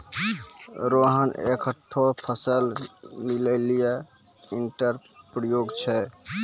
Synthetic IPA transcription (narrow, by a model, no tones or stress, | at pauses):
ɾoɦənḛkʰəʈʰːopʰəsəlmiləlijainʈəɾpɾəjoɡt͡ʃʰɛ